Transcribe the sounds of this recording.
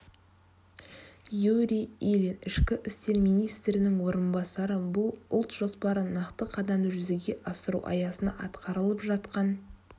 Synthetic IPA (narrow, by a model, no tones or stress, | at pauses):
juɾʲijilʲenɪʃkʲɪʔɪst̪e̞ɾmijnijst̪ɾɪnɪŋwo̞ɾənbɑsɑɾəbʊlˠʊlˠt̪ʒ̥o̞spɑɾənɑqt̪əqʰɑd̪ɑmʒʏze̞ɡʲe̞ʔɑsəɾṵwʔɑ̰jɑsənɑ̰ʔɑt̪qɑɾəlˠəpʒɑt̪qɑn